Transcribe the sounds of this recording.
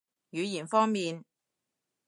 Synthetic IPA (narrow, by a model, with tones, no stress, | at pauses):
jyː˨˧jiː˨˩nfɔː˥ŋmiː˨n